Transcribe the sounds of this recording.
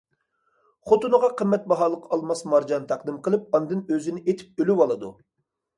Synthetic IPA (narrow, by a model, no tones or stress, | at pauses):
χot̪unɨʁɑqʰəmːɛt̪̚bɑɦɑːlˠəqɑlˠmɑsmɑɾd͡ʒɑnt̪ʰɑqd̪ɨmqʰəlˠɨp̚ɑnd̪ɨnøzɪnɪʔet̪ʰɪ̥p̚ølywɑlˠɨd̪ṵ